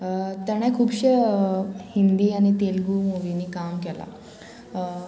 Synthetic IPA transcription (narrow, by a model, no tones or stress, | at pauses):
t̪aɽ̃ɛ̃kʰuːbɕe | hind̪iːaɽ̃it̪elɡumoʋiniːkamkɛla̰